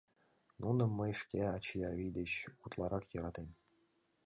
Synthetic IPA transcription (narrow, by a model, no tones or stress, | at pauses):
nunɤ̆mːɤ̆jʂkʲeɑt͡ɕijɑβʲid̪ʲɘ̆ɕut̪lˠɑɾɑχjɤ̆ɾɑt̪emʲ